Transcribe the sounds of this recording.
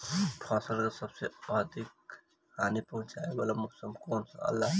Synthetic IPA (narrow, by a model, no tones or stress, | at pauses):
pʰaːsəlkasəbseəɦd̪ʱik | haːnipəɦʊ̃t͡ʃaebalamʊsəmkoːnsə̰̃ɐ̰lːaɦ